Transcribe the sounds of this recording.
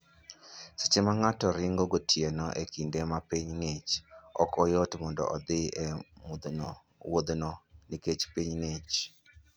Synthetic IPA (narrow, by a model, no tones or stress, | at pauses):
si̥t͡ʃɪmaŋatɔɾɪŋɡɔɡotʰjenɔʔḛkindemapiɲŋet͡ʃɔ̰kɔjotmɔndɔ̰ʔɔd̪ɪe | wod̪nɔniket͡ʃpiɲŋet͡ʃ